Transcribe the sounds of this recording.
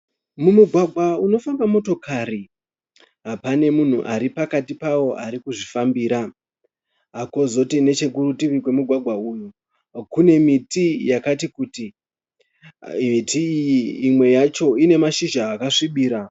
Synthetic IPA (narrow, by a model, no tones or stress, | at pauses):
mumuɡʱwaɡʱwauno̞fambamo̞to̞kʰari | ɦapane̞mun̤uʔaɾipakatipawo̞ʔaɾikuʐifambiːɾa | ɦako̞zo̞tine̞t͡ʃe̞kurutiʋikwe̞muɡʱwaɡʱwauːn̤u | kune̞mitijakatikuti | mitʰijiːmwe̞jat͡ʃo̞ine̞maʃiʒaːkaʂiɓiːɾa